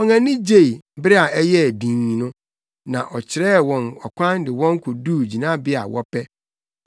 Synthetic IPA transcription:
ɔ˨ŋã˨nɪ̃˦d͡ʑe˦˨i˨˦bɪ˦ɾɪ˦a˨ɛ˦jɛ˦˨dĩ˨ɲ˨nʊ̃˦ | nã˨ʔɔ˨t͡ɕʰɪ˨ɾɛ˦wɔ̃˨nɔ˨kʷʰã˦ndɪ˨wɔ̃˦ŋ˦kʰʊ˨duː˦d͡ʑi˨nã˦bɪ˦a̰˨wɔ̰˦pʰɛ˦

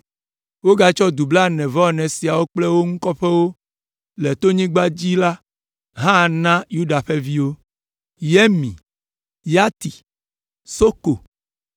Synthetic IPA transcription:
wo˦ɡa˨t͡ʃɔ˦d̪u˨bla˦nɛ̃˨vɔ˦˨nɛ̃˨si˨a˨wo˦k͡plɛ˦wo˦ŋũ˦kɔ˦ɸɛ˦wo˦ | lɛ˨t̪o˦ɲĩ˦ɡ͡ba˦d͡ʑi˦la˦ | ɦã˦˨nã˦ju˦ɖa˨ɸe˦vi˦wo˦ | je˦mḭ̃˨ | ja˦t̪i˨ | so˦ko˨

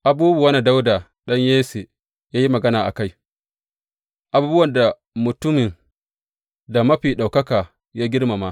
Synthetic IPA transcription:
ʔa˨buː˦bu˨wɐ˦na˨da˦wda˨ | ɗɐ˦ɲjeː˦se˨ | jaː˦ji˦mɐ˨ɡɐ˦naː˨ʔa̰˨ka˦j | ʔa˨buː˦bʊ˦wɐ˨nda˨ | mʊ˨tʊ˦mɪ˨n | da˨mɐ˦ɸiː˨ɗa˨wkɐ˦kaː˨ | jaː˦ɡʲɪ˦ɽma˨ma˦

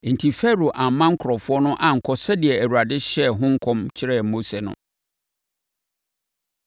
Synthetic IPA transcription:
n̩˨tʰi˨fɛ˦ɾo˨ʔã˨m˦mːã˦ŋ̩˦kʰʊ˨ɾɔ˨fʊ˦ɔ˦nʊ̃˦ʔã˦ŋ̩˨kʰɔ˦sɛ˦dɪ˨ɛ˨æ˨wu˨a˨dɪ˦ɕɛ˦˨ɦʊ̃˦ŋ̩˦kʰɔ̃˦mt͡ɕʰɪ˦ɾɛ˦˨mo˦se˨nʊ̰̃˦

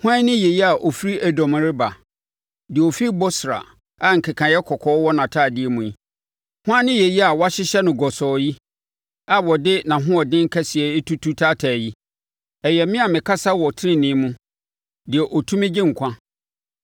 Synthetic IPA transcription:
hʊ̃˦ã˦nɪ̃˦jɛ˨ji˦a˨ʔɔ˨fi˦ɾi˦ʔæ˨dɔ̃˨m̃˨ɾɪ˦ba˨ | dɪ˨ɛ˨ɔ˨fi˦i˦bɔ˦sɾa̰˨ | a˦˨ŋ̩˨kʰɛ˨kʰã˨jɛ˦kʰɔ˨kʰɔː˨˦wɔ˦nã˨tʰaː˦˨dɪ˦ɛ˨mũ˨ji˦ | hʊ̃˦ã˦nɪ̃˦jɛ˨ji˦a˨wɔ˦a˦ɕɪ˦ɕɛ˦nʊ̃˨ɡɔ˨sɔː˨ji˦ | a˨wɔ˨dɪ˦nã˨ɦʊ̃˦ɔ˨dɪ̃˦ŋ̩˦kʰɛ˦sɪ˨ɛ˨˦tʰu˦tʰu˦tʰaː˦tʰæ˨ji˦ | ɛ˨jɛ˨mɪ̃˦a˨mɪ̃˨kʰa˦sa˦wɔ˨tʰɪ˦ɪ̃˦nɪ̃˦mũ˦ | dɪ˨ɛ˨ʔɔ˨tʰũ˦mɪ̃˦d͡ʑɪ̃˦ŋ̩˨kʰʷã˦

